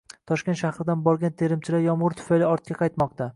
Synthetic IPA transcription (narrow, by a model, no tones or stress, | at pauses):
t̪ʰɒʃkʲent̪ʃahɾɪd̪anbɒɾɡʲant̪ʰe̞ɾɪmt͡ʃʰɪlaɾjɒmʁʊɾt̪ʰʊ̥fajlɪɒɾt̪̚kʲaqʰɑjt̪mɒq̚t̪a